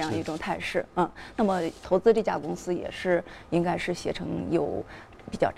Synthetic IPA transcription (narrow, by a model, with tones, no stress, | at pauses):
jŋd̪ə˧i˥˩ʈ͡ʂʊ˨˩ŋt̪ʰa˥˧ɪʂɻ̩˥˩ə˥˧na˥˩mə˩t̪ʰo˧˥ʊt͡sɹ̩˥ʈ͡ʂt͡ɕja̰˥˩kʊ˥ŋsɹ̩˥jɛ̰˨˩ʂɻ̩˥˩i˥ŋka˥ɪʂɻ̩˥˩ɕjɛ˧˥ʈ͡ʂʰɤ˧˥ŋjo˨˩ʊ | pi˨˩t͡ɕjɑ˥˩